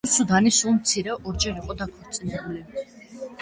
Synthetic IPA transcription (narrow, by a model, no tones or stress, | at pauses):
sud̪anisulˠmt̪sʰiɾɛʔɔɾd͡ʒɛɾiqʼɔd̪akʰɔɾt̪sʼinɛbuli